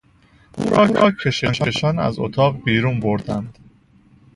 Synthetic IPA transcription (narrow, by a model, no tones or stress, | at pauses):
ṵːɾɒːɒːcʰeʃeʃæʃænæ̰zo̰t̪ʰɒːʁbiːɾuːnboɾd̪ænd̪̥